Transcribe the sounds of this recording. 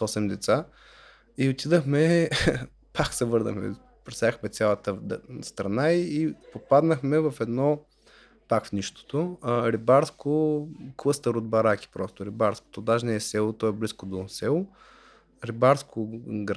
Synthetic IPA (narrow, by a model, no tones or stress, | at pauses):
ɔsɛmd̪ɛt̪sa | iot̪id̪əxmɛ | pʰaksɛvɤɾd̪ə̰xmɛ̰ | pɾɛsaəxmɛt̪sʲjalˠət̪əst̪ɾɐnaiːpopad̪nəxmɛvɐfɛd̪nɔ | pakfnʲiʃt̪o̥t̪oɾibaɾskoklˠɤst̪əɾod̪̚bɐɾak̟i̥pɾɔst̪ʊɾibaɾsko̥t̪od̪aʒnɛɛsɛlˠot̪ɔɛbliskod̪osɛlˠo | ɾibaɾskʰoɡɾ